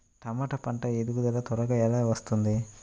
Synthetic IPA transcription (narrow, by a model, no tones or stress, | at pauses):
ʈɐmɐʈɐpɐɳʈɐed̪uɡud̪ɐlɐt̪ɔɾɐɡɐɛlɐʋɐst̪und̪i